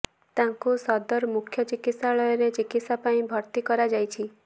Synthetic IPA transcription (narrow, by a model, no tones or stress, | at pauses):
t̪aŋkusɔd̪ɔɾmukʰjɔt͡ʃikit̪saɭɔjɔɾet͡ʃikit̪sapaĩbʱɔɾt̪ikɔɾad͡ʒajt͡ʃʰi